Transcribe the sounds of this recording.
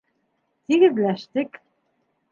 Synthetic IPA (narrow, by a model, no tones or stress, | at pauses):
t̪iɣɘ̆ðlæʃt̪ɘk